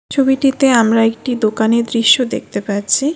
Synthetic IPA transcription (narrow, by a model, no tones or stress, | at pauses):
t͡ɕʰobiʈit̪eamɾaek̚ʈid̪okaned̪ɾiʃːod̪ḛk̚t̪epaɾt͡ɕʰi